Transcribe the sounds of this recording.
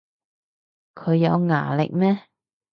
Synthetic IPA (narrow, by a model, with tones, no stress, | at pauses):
kʰɵ˨˧ɥjɐ˨˧wŋa̰ː˨˩lɪ̰˨k̚mɛː˥